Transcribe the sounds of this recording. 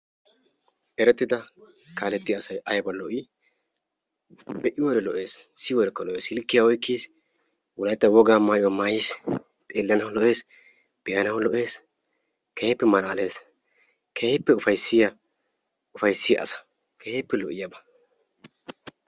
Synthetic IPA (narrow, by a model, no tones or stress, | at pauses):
ʔɛɾɛt̪ːɪd̪ɐ | kaːlɛt̪ːɪɐsɐjʔɐjbɐlɔʔi | bɛʔɪwɔɾɛlɔʔe̞ːs | sɪwɔɾɛkːɐlɔʔeːshɪlkːɪjɐɔjkːiːs | wɔlɐjt̪ːɐwɔɡaːmaːʔɪwɔmaːjɪs | t̪ʼeːlːɐnɐwlɔʔeːs | b̥ɛjɐnɐwlɔʔe̞ːs | kɛjɛpːɛmɐnɐːle̞ːs | kʰɛjɛpːɛʊfɐjsːɪjɐ | ʊfɐjsːɪjɐ̰ʔɐ̰sɐ̥ | kʰɛhepːɛlɔʔɪjɐbɐ̥